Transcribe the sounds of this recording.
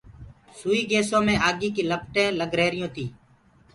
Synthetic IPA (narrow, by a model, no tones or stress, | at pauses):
suːiːɡeːsõːmẽːʔaːɡiːkiːləp̚ʈẽːləɡɾeːɾɪjõːt̪ʰiː